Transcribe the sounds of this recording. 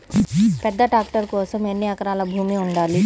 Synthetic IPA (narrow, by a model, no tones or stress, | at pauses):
pɛd̪ːɐʈaːkʈɐɾkɔːsɐmenːiɐkɐɾaːlɐbʱuːmiuɳɖaːli